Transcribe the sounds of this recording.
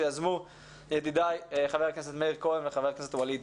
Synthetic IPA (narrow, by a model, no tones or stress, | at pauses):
jazmu | jed̪id̪ajχaveʁknes̬et̪meiʁkodemveχavekneset̪walid̪